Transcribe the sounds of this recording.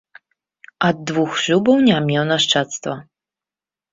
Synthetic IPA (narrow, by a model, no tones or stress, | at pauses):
ad̪̚ːvuxʐubɔwnʲamʲɛwnaʂt͡ʂat̪st̪vɔ